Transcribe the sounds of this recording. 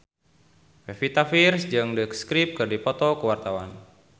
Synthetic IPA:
fɛfit̪afirsd͡ʒɨŋdəkskɾip̚kɨrdipɔt̪ɔkuwart̪awan

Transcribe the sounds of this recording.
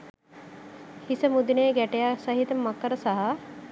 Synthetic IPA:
hisəmud̪ineːɡɛʈejasɐɦit̪ɐmɐkːəɾɐsɐɦa

